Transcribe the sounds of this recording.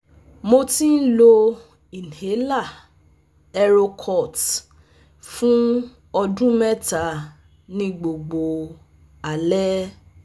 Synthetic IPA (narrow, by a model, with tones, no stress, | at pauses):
mo˧tĩ˦n̩˦lo˧ | i˨n˨he˨˦la˦˨ | ɛ˧ɾo˧kʰɔ˦˨t | fũ˦ | ɔ˧dũ˦mɛ˦ta˨˦ | nĩ˨˦ɡ͡bo˨ɡ͡bo˨ | a˨lɛ˦